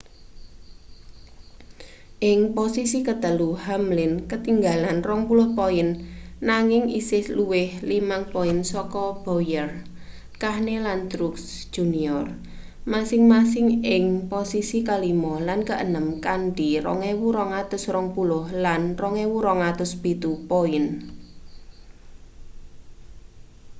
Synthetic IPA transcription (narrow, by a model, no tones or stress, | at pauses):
ʔɪŋposisikət̪əluhamlɪnkət̪iŋɡalanrɔŋpulʊhpoɪnːaŋɪŋḭsɪhluwɪhlimaŋpoɪnsɔkɔb̥ojər | kahnelant̪ɾuks | d̥ʒ̥ṳniɔr | masɪŋmasɪŋɪŋposisikalimɔlankəʔənəmkanɖiɾɔ̰ŋewuɾɔŋat̪ʊsrɔŋpulʊhlanrɔŋewuɾɔŋat̪ʊsb̥it̪upoɪn